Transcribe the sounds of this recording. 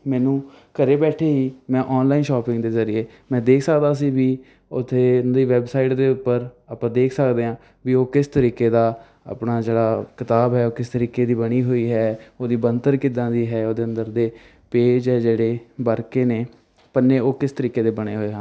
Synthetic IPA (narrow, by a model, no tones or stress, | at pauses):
mɛ̃ːnũː | kəɾeːbɛːʈʰeːɦiːmɛ̃ːʔɔːnlaːinʃɔːpɪ̃ŋɡd̪eːzəɾɪjeː | mɛ̃ːd̪eːkʰsəkd̪aːs̬iːʋiː | ʊt̪ʰːeːd̪iːʋɛːbsaːiʈd̪eːʊpːəɾaːpãːd̪eːkʰsəkd̪eːãː | ʋiːoːkɪst̪əɾiːkeːd̪aː | a̰pɳaːd͡ʒeːɽaːkɪt̪aːbɦɛːoːkɪst̪əɾiːkeːd̪iːbəɽiːɦoːiːɦɛːoːd̪iːbənt̪əɾkɪd̪ãːd̪iːɦɛːoːd̪eːənd̪əɾd̪eː | peːd͡ʒɦɛːd͡ʒeːɽeːbəɾkeːneː | pənːeːoːkɪst̪əɾiːkeːd̪eːbəɽ̃eːɦoːeːɦəãː